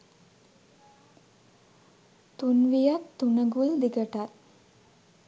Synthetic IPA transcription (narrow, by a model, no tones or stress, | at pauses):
t̪unʋijat̪ːunəɡuld̪iɡəʈat̪̚